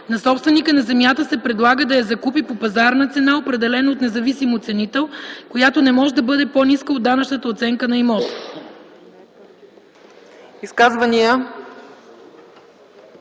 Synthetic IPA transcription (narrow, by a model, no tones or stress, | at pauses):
nɐsɔpst̪vɛnikənɐzɛmjat̪əsɛpɾɛd̪lˠaɡəd̪ɐjɐzɐkupipopɐzaɾnət̪sɛnaopɾɛd̪ɛlɛnoot̪nɛzɐvisimot̪sɛnit̪ɛlˠkojat̪onɛmɔʒɛd̪ɐbɤd̪ɛponiskəod̪ːanɐt͡ʃnət̪əot̪sɛŋkənɐimɔt̪o̥ | iskazvɐnijə